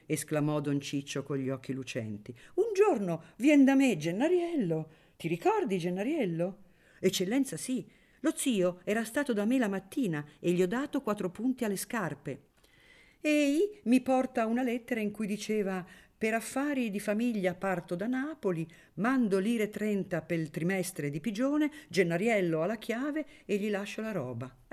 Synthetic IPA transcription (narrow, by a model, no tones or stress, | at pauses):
esklamɔd̪ont͡ʃit͡ʃːokonʎːiɔkːilut͡ʃɛ̰nt̪iund͡ʒornovjɛnd̪amed͡ʒenːaɾjɛlːo | t̪iɾikɔrd̪id͡ʒenːaɾjɛlːo | et͡ʃːelːɛnt̪sasi | lot̪siːoɛːɾast̪aːt̪od̪amːelamat̪ːiːnaeʎːiɔd̪ːaːt̪okwat̪ːɾopunt̪ialːeskarpe | ɛimipɔrt̪aunalɛt̪ːeɾaiŋkujd̪it͡ʃeːvapeɾafːaːɾid̪ifamiʎːapart̪od̪anaːpoli | mand̪oliːɾet̪ɾɛnt̪apelt̪ɾimɛst̪ɾed̪ipid͡ʒoːned͡ʒenːaɾjɛlːoalːak̟ʰjaːveːʎːilaʃːolaɾɔːba